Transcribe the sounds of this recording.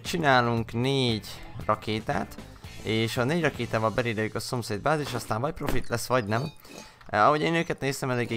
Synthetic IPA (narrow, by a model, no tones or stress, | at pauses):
t͡ʃinaːluŋkneːɟrɒkeːt̪a̰ːt̪ | eːʃɒneːɟrɒkeːt̪aːvɒlbɛleːd̪ɛjykɒso̞mseːd̪baːt̪eːʃɒst̪aːɱvɒc̚pro̞fit̪lɛsːʋɒɟnɛm | ɒɦo̞ɟeːnøːkɛt̪neːst̪ɛmɛleːɡeː